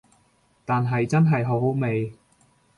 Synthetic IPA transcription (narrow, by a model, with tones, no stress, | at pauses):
t̪aː˨nɦɐ˨jt͡sɐ˥nɦɐ˨jɦo˨˥wɦo˨˥wme˨˧j